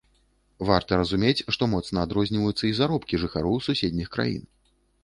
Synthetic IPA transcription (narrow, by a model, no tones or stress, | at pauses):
vart̪ɐɾɐzumʲet͡sʲʂt̪ɔmɔt̪snɐad̪ɾɔzʲnʲivɐjut̪sːɐizaɾɔpkʲiʐɨxaɾɔwsusʲed̪ʲnʲixkɾa̰jḭn